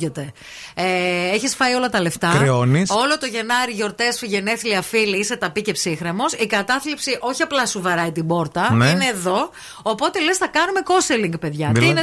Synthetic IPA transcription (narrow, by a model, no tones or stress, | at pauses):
ot̪e̞ | eeçisfɐio̞lɐt̪ɐle̞ft̪ɐɾeo̞niso̞lo̞t̪o̞ʝe̞nɐɾiʝo̞ɾt̪e̞sfiʝe̞neθiliɐfiliise̞t̪ɐpice̞psixɾemo̞sikɐt̪ɐθlipsiʔo̞çiɐplɐsuvɐɾɐit̪ibo̞ɾt̪ɐnineːðo̞ | opo̞t̪e̞le̞sθɐkɐnume̞ko̞seliŋɡpe̞ðʝɐine